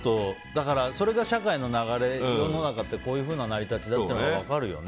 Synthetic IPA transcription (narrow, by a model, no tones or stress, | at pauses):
t̪o̞d̪akaɾaso̞ɾe̞ɡaɕakaino̞naɣaɾe̞j̪ono̞nakat̪ːe̞ko̞ːjɯ̟ːɸɯ̟ːnanaɾʲit̪at͡ɕid̪at̪ːenoaβakaɾɯ̟jo̞̰n